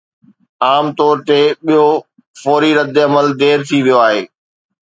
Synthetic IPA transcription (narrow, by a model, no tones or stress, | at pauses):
aːmt̪ɔːɾt̪eːɓijo | fɔːɾiɾɐd̪ɪɐməld̪eːɾt̪ʰiʋijoaːɦḛː